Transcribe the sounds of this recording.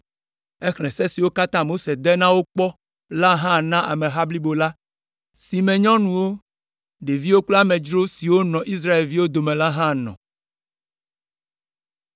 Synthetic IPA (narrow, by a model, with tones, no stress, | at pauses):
ɛ˦xlɛ̃˨sɛ˦si˨wo˦ka˦t̪ã˦mo˦se˨d̪ɛ˦nã˦wo˦k͡pɔ˦ | la˦ɦã˦˨nã˦ʔa̰˨mẽ˨ɦa˦bli˦bo˨la˦ | si˨mɛ̃˨ɲɔ̃˦nũ˨wo˦ | ɖe˨vi˦wo˦k͡plo˦a˦mɛ̃˨d͡ʒɾo˦si˨wo˦nɔ̃˨ʔi˦s̬ɾa˦e˨lvi˦wo˦d̪o˨mɛ̃˨la˦ɦã˦nɔ̰̃˨